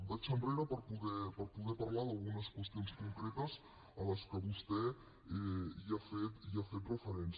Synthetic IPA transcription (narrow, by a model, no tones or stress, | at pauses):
bat͡ʃəmbɾeɾəpəɾpuɣɛpəɾpuɣɛpɐɾlaðalˠɣunəskwəst̪ionskuŋkɾɛt̪əz | ələskəβust̪ɛ | ɛiafet̪iafet̪rəfəɾens